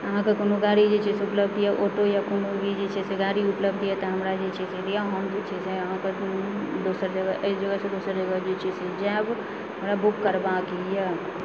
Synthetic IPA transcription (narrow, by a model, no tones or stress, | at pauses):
əɦãkekonoɡaɾid͡ʒet͡ʃiseupləbd̪jɛʔoʈojakonobʱid͡ʒet͡ʃiseɡaːɾiʊpləb̚d̪ɦɛt̪ɔɦəmɾad͡ʒet͡ʃiseɾijaɦəmd͡ʒot͡ʃizɛəɦãked̪oːsəɾd͡ʒəɡəʔəɪsd͡ʒəɡəsed̪oːsəɾd͡ʒəɡəd͡ʒot͡ʃised͡ʒab | ɦəmɾabukːəɾbakija